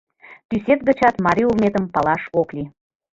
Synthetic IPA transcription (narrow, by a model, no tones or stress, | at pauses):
t̪yset̪̚ɡə̆t͡ɕɑt̪mɑɾʲiulˠnet̪əmpɑlɑʃokli